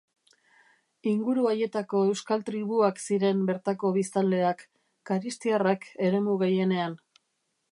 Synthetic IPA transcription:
iŋɡuɾuaje̞t̪ako̞e̞wskalt̪ɾiβ̞uaksiɾe̞mbe̞ɾt̪ako̞βist̪ald̪e̞akː | aɾist̪iarakʰe̞ɾe̞muɣe̞je̞ne̞an

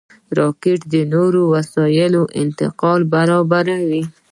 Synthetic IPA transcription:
ɾɑkeʈd̪ənoɾowasɑjɪloʔɪ̰nt̪ɪ̰qɑlbaɾɑbaɾawi

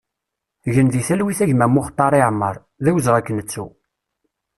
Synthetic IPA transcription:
ʝənðiθælwiθæʝmæmːʊχt̪ˤːɑɾˤiʕmːəɾˤ | ðæwəzʁækːənət͡sːu

